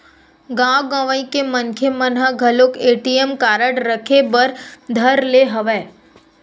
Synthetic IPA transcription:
ɡãwɡãʋəĩkemənkʰemənɦaɡʱəlokeʈiemkaɾəɽɾəkʰebəɾd̪ʱəɾleɦəʋe

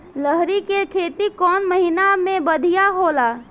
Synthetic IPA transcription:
ləɦɾikekʰeːt̪ikɔːnməɦinamẽbəd̪ʱijaɦolaː

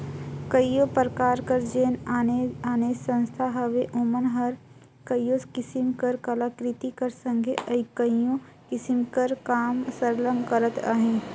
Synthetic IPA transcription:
kəjjõpɾəkaːɾkəɾd͡ʒeːnaːneaːneːsə̃nst̪ʰaɦɐʋeʔomənɦəɾ | kəjjoskɪsɪmkəɾkɐlakɾɪt̪ikəɾsə̃ŋɡʱeʔəjkə̃jjõ | kɪsɪmkəɾkaːmsəɾləmkəɾət̪a̰ɦẽː

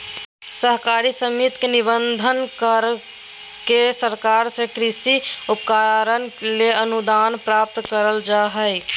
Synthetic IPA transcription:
səɦkaɾisəmit̪kenibənd̪ʱənkəɾ | kesəɾkaɾsekɾisiupkaɾənleənud̪anpɾap̚t̪kəɾəld͡ʒaɦəj

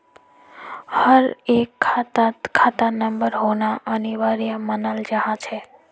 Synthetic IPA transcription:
həɾekʰːat̪akʰːat̪anəmbəɾɦonaʔəniʋaɾijamənald͡ʒəɦãt͡ʃʰe

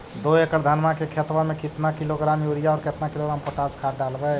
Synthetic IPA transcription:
d̪oekəɾd̪ʱənmakekʰet̪wamẽkit̪nakiloɡɾamjuɾijaɔːɾket̪nakiloɡɾampoʈaskʰaʈ̚ɖalbɛ

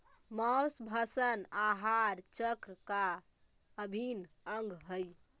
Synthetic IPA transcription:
məwsbʱasənaɦaɾt͡ʃəkɾəka | əbʱin | əŋɡʱɦəj

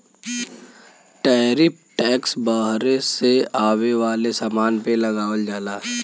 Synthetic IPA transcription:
ʈɛːɾɪp̚ʈɛːksbəɦɾeseaːweʋaːlesaːmaːnpelɐɡaːʋəld͡ʒaːlaː

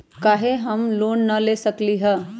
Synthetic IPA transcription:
kaːɦeɦɐmloːnːɐleːsəkliɦɛ

